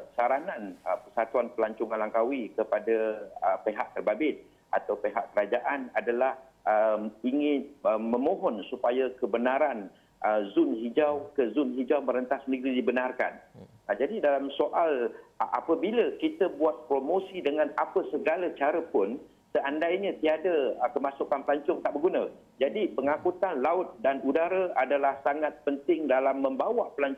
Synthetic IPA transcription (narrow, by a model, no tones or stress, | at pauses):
saɾanãnəpərsat̪uanpəlaɲt͡ʃʊŋalaŋkawikəpadaəpeɦaʔ̚t̪ərbabɪt̪̚ | ʔat̪awpeɦaʔkəɾad͡ʒaʔanadalah | əmiŋɪnəːə̃mõɦɔnsupajakəbənaɾan | əzʊnɦid͡ʒawkəzʊnɦid͡ʒawməɾənt̪ahsniɡɾidibənarka̰n | d͡ʒadidalamsoʔalʔa̰pəbiləkit̪əbuat̪̚pɾomosidəŋãnapəsəɡalət͡ʃaɾəpʊn | səʔandajɲə̃t̪iadəkəmasukanpəlaɲt͡ʃɔŋt̪aʔbəɡunə | d͡ʒadipəŋakut̪anlaʊt̪̚danudaɾaadalahsaŋat̪̚pənt̪ɪŋdalamːə̃mbawapəlaɲt͡ʃ